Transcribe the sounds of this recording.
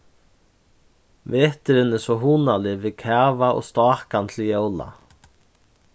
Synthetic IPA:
veːht̪ɪɾɪnɛsɔɦuːnalɪviðkʰɛːvaʔɔ̰ɣst̪aːhkant̪ʰɪljoːwla̰

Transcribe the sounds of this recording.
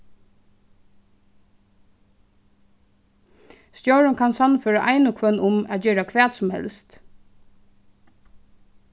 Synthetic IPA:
st̪jowɹʊnkʰansanfœːɹaʔaɪnʊkʰʋœnːʊmæt̪̚d͡ʒeːɾakʰʋæːt̪sʊmhɛ̰lst̪

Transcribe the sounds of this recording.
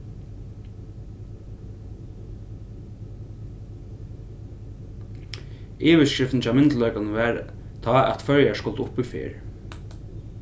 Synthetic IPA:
iːʋɪskɹɪft̪nt͡ɕʰaːwmɪnt̪lœʏkanʋæɾ | t̪ʰɑːæ̰t̪fœɹjaskʊlt̪ʊpifɪ̰ɹ

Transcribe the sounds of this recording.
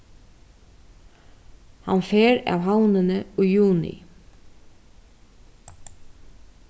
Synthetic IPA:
hanfeːɾa̰ːwɦawnənəujjuːnɪ̰

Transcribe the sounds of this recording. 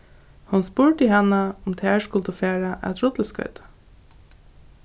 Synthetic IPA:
hʊnspʊɹʈiɦanaʊmt̪ʰæːɹskʊlt̪ʊfæːɹaʔæ̰t̪ɾʊt̪l̩skœ̰ɥt̪ḁ

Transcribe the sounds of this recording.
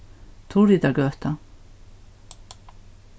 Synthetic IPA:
t̪ʰuːɾit̪akœht̪a

